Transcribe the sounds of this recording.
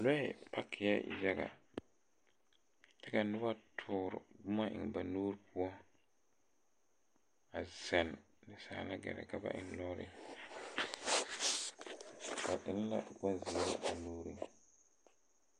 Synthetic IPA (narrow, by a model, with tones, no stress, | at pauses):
lɔ˦ɛ˨pʰa˦kʰːɪ˨ja̰˦˨ja˦ɡa̰˨ | tɛ˦ka˨nʊ˦ba˦tʰʊː˦ɾʊ̰˨ɡʊ˦ma˦ʔɪ̰˨ŋ˨ba˨noː˦ɾpu˦ɔ˦ | a˨z̥ɛ˨n | nɪ˨sa̰ː˨la˦ɡɛ̰˨ɾɛ̰˨ka˦ba̰˦ʔɪ̰˨nlɔ˦ɾɪ̰˦ | ba˨ʔɪ˨n˦la̰˦ɡɔ˦nzi˨˦ɾɪ˦a˨nuː˦ɾi˦